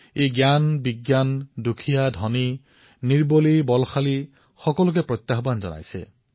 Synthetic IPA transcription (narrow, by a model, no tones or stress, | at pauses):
ejɡjanbiɡjandukʰijad̪ʱɔni | niɹbolibɔlxʰali | xɔkɔluk̬epɾɔjt̪jaɦɔband͡ʒɔ̰na̰jsḛ